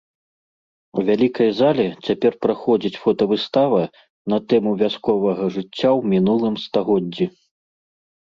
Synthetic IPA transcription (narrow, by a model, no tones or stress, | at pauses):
uvʲalʲikɐjzalʲɛt͡sʲapʲɛrpɾaxɔd͡zʲit͡sʲfɔt̪ɐvɨst̪avɐ | nɐt̪ɛmuvʲaskɔvɐɣɐʐɨt͡sʲːawmʲinulˠɨmst̪aɣɔd͡zʲːi